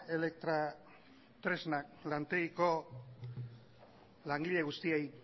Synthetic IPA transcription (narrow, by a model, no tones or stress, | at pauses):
e̞le̞k̚t̪ɾa | t̪ɾe̞znak̚lant̪eɣiko̞ | laŋɡiʎe̞ɣ̞ust̪iej